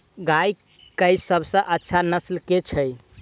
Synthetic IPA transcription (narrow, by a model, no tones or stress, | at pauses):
ɡaj | kəjsəbʱsə̃ʔətːʃʰanəslket͡ʃʰəj